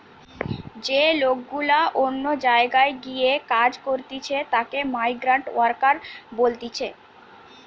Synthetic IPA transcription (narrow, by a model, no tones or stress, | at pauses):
d͡ʑelok̚ɡulaʔonːod͡ʑaeɡaeɡijekad͡ʑkoɾt̪it͡ɕʰet̪akemajɡɾaɳʈwaɾkaɾbolt̪it͡ɕʰe